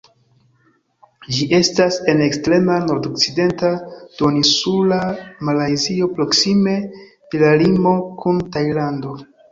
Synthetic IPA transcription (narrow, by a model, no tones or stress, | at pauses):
d͡ʒiʔe̞stase̞ne̞kstɾe̞mano̞ɾdok̚t͡side̞ntad̥o̞nisulamalajzio̞pɾo̞ksime̞ | d̥elalimo̞kʰuntajlando̞